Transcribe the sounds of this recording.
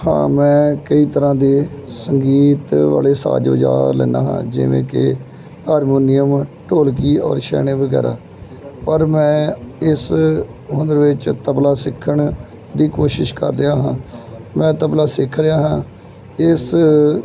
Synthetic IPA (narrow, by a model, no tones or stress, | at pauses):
hã̰ːmɛ̃ːkəiːt̪əɾãːd̪eːsəŋɡiːt̪ʋa̰ːleːsa̰ːd͡ʒʋə̰d͡ʒa̰ːɾlɛ̰ːna̰ːɦã̰ːd͡ʒɪ̰ʋḛ̃ːkɪ̰ | haːɾmoːnɪjəmʈoːlkiːɔ̰ːɾʃɛ̰ːneːʋəɡɛ̰ːɾa̰ː | pəɾmɛ̃ːɪsɦʊ̃nd̪əɾʋɪt͡ʃt̪əblaːsɪkʰːəɳ | d̪iːkoːʃɪʃkə̰ɾːɪjaːɦãːmɛ̃ːt̪əblaːsɪkʰɾɪjaːɦãː | ɪs